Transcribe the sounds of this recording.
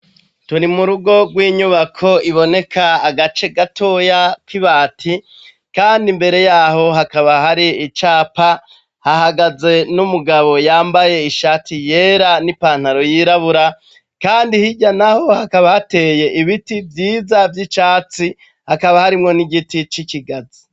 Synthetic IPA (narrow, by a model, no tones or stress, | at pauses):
tunimuɾuɡo̞ɡwiːɲuβakʰo̞iβo̞ne̞kʰaːɡat͡ʃe̞ɡatʰo̞jakiβaːtʰi | kaːndimbe̞ɾe̞jaːɦo̞ɦakaβaɦaɾiːt͡ʃaːpa | hahaɡaze̞numuɡaβo̞jaːmbaje̞iʃaːtije̞ːɾanipaːn̥haɾo̞jiːɾaβuɾa | kaːndihiɟanaho̞hakaβahate̞ːje̞ʔiβitivjiːzavjit͡ʃaːt͡si | hakaβahaɾimŋo̞niɡitit͡ʃikiɡazi